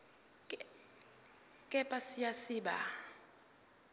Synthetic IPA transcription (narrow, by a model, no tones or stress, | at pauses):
kʼɛpʼasijasɪːɓa̰